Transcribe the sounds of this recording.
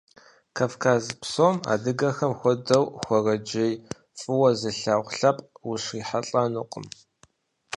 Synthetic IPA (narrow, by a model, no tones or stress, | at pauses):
kʰavkʰaːzpsoːma̰ːdɨɡɐxɐmxʷɔdɐwxʷɔrɐd͡ʒej | fʼɨwɐzɨɬaːʁʷɬɐpʼwʊʂiːħaɬʼɐnuqʼə̰m